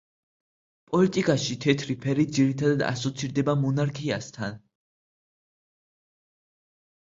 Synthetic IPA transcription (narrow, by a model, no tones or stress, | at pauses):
pʼɔlit̪ʼikʼaʃit̪ʰɛt̪ʰɾipʰɛɾid̪ziɾit̪ʰad̪ad̪a̰sɔt̪sʰiɾd̪ɛbamɔnaɾkʰia̰st̪ʰan